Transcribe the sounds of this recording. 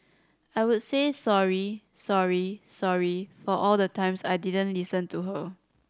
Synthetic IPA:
ajwudsesɔɹi | sɔɹisɔɹifɔʔɔldətãɪ̃msajdidə̃nlisə̃ntuɦə

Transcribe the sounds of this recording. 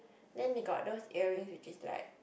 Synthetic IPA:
dɛ̃nwiɡɔ̰t̚dosɛɹĩə̃ŋswit͡ʃisla̰ɪk̚

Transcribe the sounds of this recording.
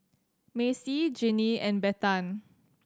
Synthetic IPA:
mesid͡ʒiniɛ̃nbɛtãn

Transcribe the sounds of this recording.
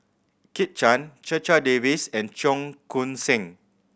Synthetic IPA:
kit̚t͡ʃãnt͡ʃət͡ʃadevisɛ̃nt͡ʃɔ̃ŋkʰũnsɛ̃ŋ

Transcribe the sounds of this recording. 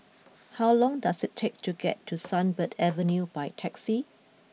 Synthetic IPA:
hawlɔ̃ŋdasɪtʰek̚tʰuɡɛ̰tʰːusãnbədɛvə̃njubajtʰɛksi

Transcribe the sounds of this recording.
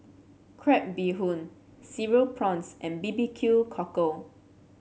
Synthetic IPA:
kʰɹɛp̚biɦũn | siɹəlpʰɹɔ̃nsʔɛ̃nbibikʰjulkʰɔkə

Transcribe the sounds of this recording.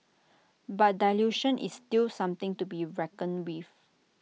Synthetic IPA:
bat̚daljuʃə̃nʔḭstilsãmt̪ɪ̃ŋtubiɹɛkə̃nwif

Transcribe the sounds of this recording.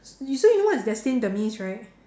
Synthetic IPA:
sjsojunowɔtɪsdɛstɪ̃ndəmĩnsɹaɪt̚

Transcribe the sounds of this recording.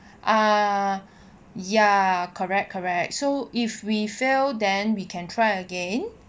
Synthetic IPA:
ʔa | jakʰəɹɛk̚kʰːɔɹɛk̚t̚soʔifwifildɛ̃nwikʰɛ̃ntʰɹajəɡẽn

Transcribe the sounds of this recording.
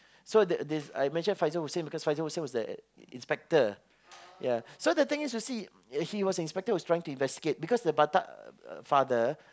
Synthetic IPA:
sodədɛsa̰jmɛ̃nʃə̃nfaɪzəhosẽnbikɔsfaɪzəhosə̃nwɔsdə | ḭ̃nspɛk̚tə | jasodət̪ɪ̃ŋistusi | hiwɔsə̃ĩspɛk̚təwɔstɹaɪɪ̃ŋtuĩnvɛstiɡet̚bikɔsdəbata̰ʔfadə

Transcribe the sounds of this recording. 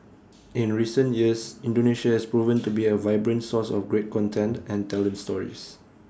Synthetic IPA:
ɪ̃nɹisə̃ntjiəsĩndoneʃahɛspɹuvə̃ntubiəvaɪbɹə̃ntsɔsɔ̰fɡɹet̚kɔ̃ntʰɛ̃ntɛ̃ntɛlə̃nstɔɹḭs

